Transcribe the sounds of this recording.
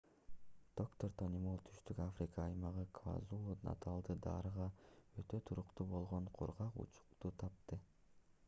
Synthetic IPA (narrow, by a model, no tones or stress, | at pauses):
d̪̥o̞kt̪o̞rt̪ʰonʲimolˠt̪ʰy̥ʃt̪ykafɾʲɪkɑːjmɑʁɯkʰva̰zulˠunɑ̰t̪ʰɑlˠd̪ɯd̪ɑ̰ːɾɯʁɑøt̪ø̞t̪ʰuɾuqt̪ubo̞lˠʁoɴqʰṵɾʁɑqṵt͡ʃu̥qt̪ut̪ʰɑp̚t̪ɯ